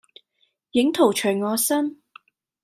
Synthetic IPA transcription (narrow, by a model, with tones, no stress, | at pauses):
jɪ˨˥ŋt̪ʰo˨˩wt͡ʃʰɵ˨˩jŋɔː˨˧sɐ˥n